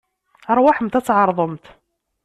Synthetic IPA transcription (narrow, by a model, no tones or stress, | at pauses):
əɾˤwaħəmt̪æt͡sːʕɑɾˤðˤəmt̪